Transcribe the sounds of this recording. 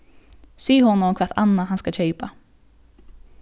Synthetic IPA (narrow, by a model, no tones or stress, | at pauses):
syːhɔnɔɔkʰʋɑt̪ɑ̰nɑhɑnskɑçœʏpɑ